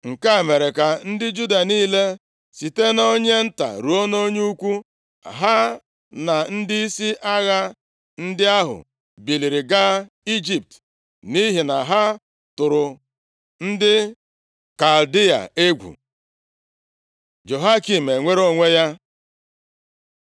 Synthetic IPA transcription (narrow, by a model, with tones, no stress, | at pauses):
ŋ̩˨ka˦˨me˨ɾe˨ka˨n̩˦dɪ˦d͡ʒu˦da˨niː˦le˦ | si˨te˦no˦ɲe˦n̩˦ta̰˨ɾu˨o˦no˦ɲe˦u˦kʷu˦˨ | ɦa˦ | na˨n̩˦dɪ˦i˦si˦ʔa˦ɣa˦ | n̩˦dɪ˦a˦ɦʊ̰˨ | bi˨li˨ɾi˨ɡa˦ | i˦d͡ʒi˨p̚t | ni˦ɦi˨na˨ɦa˦ | tʊ˨ɾʊ˨ | n̩˦dɪ˦ | ka˨ldi˦a̰˨e˦ɡʷṵ˨ | d͡ʒo˨ɦa˦ki˨m̩e˨ŋʷe˦ɾo˦ŋʷe˦ja˦